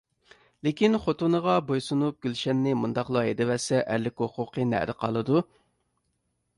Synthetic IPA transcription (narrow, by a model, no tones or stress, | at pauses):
lekʲinχot̪unəʁɑbojsunup̚ɡ̥ʲylʃɛnːɪmund̪ɑχlˠɑɦed̪ɪvɛsɛʔæ̰ɾlɪkʲoqʊqʰənæ̰ɾɪqʰɑ̰lˠɨd̪u